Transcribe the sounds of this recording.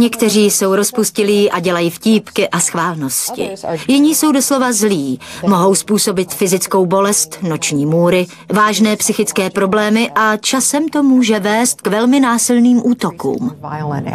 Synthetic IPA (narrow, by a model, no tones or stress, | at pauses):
ɲɛkt̪ɛr̝iːso̞wɾo̞spuscɪliːʔaɟɛlajiːfciːpkɪʔasxvaːlno̞scɪ̰jɪɲiːso̞wdo̞slo̞vazliːmo̞ɦo̞wspuːso̞bɪt̪fɪzɪt͡sko̞wbo̞lɛst̪no̞t͡ʃɲiːmuːɾɪ | vaːʒnɛːpsɪxɪt͡skɛːpɾo̞blɛːmɪʔat͡ʃasɛmt̪o̞muːʒɛvɛːst̪̚kvɛlmɪnaːsɪlniːmʔuːt̪o̞kṵːm